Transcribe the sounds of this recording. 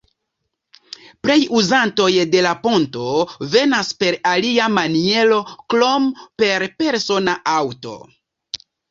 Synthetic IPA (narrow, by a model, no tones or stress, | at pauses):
pɾe̞juzanto̞jde̞lapo̞nto̞ve̞naspe̞ɾaliamanie̞lo̞klompe̞ɾpe̞ɾso̞naʔawto̞̰